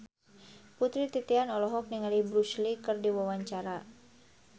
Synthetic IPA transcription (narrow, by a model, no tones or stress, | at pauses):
put̪ɾit̪it̪ianɔlɔɦɔk̚niŋalibɾuslikɨrdiwawaɲt͡ʃaɾa